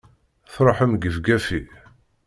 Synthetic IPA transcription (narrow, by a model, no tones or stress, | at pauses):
θɾˤoħəmɡəvɡæfi